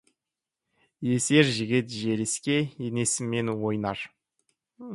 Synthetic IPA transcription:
je̞se̞ɾʒɪɡʲɪt̪ʒeɾɪskʲe̞jene̞sɪmːenwo̞jnɑɾ

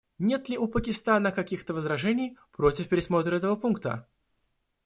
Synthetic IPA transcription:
nʲe̞t̪lʲɪʔʊpəkʲɪst̪anəkɐkʲixt̪əvəzɾɐʐɛnʲɪjpɾo̞tʲɪfpʲɪɾʲɪsmo̞t̪ɾəɛt̪əvəpunkt̪ə̰

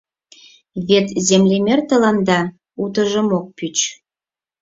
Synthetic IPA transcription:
βet̪zemlemert̪əlɑnd̪ɑ | ut̪̬ə̆ʒə̆mok̚pyt͡ɕ

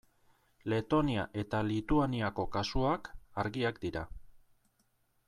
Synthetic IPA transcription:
le̞t̪o̞niaʔe̞t̪alit̪uaniako̞kasuakaɾɣiakd̪iɾa

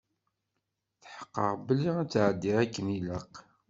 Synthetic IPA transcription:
θħə̥qːə̰ʁbəlːiæt͡sːʕəd̪ːiɾækːəniləq

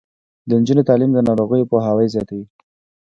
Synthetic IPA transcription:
d̪ənd͡ʒunet̪ɑlimd̪ənɑɾoɣəjopoɦawəjzjɑt̪awi

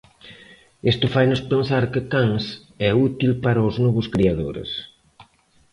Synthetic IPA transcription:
est̪ʊfajnʊspensaɾkɪkaŋs | ɛut̪ilpaɾɐʊznɔβʊskɾiaðo̰ɾḛs

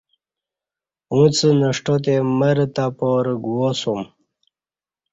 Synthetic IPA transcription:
ũt͡sənəʂʈot̪eməɾt̪apoɾɡuwosum

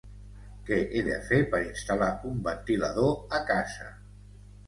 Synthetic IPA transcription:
kɛʔeðə̰fepəɾinst̪alaumbənt̪iləðoəkazə̰

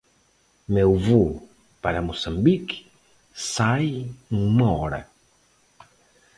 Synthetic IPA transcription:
mewvu | paɾɐmosãmbik | sajũumɐɔɾɐ̰

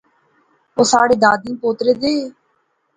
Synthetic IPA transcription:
oːsaːɽeːd̪aːd̪ĩːpoːt̪ɾeːd̪eː

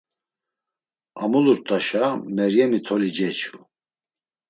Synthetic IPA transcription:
amuluɾt̪ʼaʃamɛɾjɛmit̪ʰɔlid͡ʒɛt͡ʃʰu

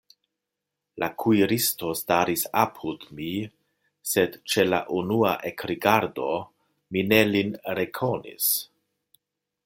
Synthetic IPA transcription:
lʔakʰuiɾisto̞staɾisapʰudmi | se̞dt͡ʃe̞la̰ʔunuaʔekɾiɡaɾdo̞ | mine̞linɾekʰo̞nḭs

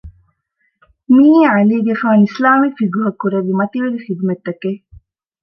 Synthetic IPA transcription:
miːeɐliːɡefaːnislaːmifiɡuɦɐkːuɾeʋimɐt̪iʋeɾixid̪umet̪ːɐkeː

